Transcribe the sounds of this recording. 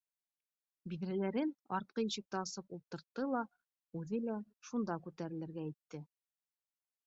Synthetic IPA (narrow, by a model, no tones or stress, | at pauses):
biðɾælæɾɘnɑɾt̪̚qɤjĭɕɘ̆k̚t̪æɑsɤpulˠt̪ɤ̆ɾt̪ːɤlˠɑ | ʉðɘlæʃund̪ɑkʉt̪æɾɘ̆lɘ̆ɾɡæit̪ːɘ